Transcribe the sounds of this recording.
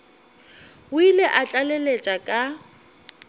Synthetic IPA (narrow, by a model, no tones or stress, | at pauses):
ʊileʔat͡ɬʼalɛlet͡ʃʼakʼa